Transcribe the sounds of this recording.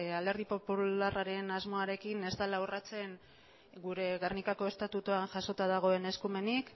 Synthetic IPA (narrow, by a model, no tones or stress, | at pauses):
ale̞ɾðipo̞pularaɾe̞nazmo̞aɾe̞kine̞zt̪alawrat͡se̞ŋ | ɡuɾe̞ɣarnikako̞e̞st̪at̪ut̪uanʝaso̞t̪aðaɣ̞o̞e̞ne̞skume̞nik